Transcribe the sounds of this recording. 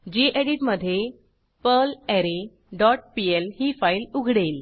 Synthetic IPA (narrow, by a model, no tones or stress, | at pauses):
d͡ʑiːʔeɽiʈməd̪ʱːje | pəlɛɾe | ɖɔʈ̚pielhiːfailuɡʱɽel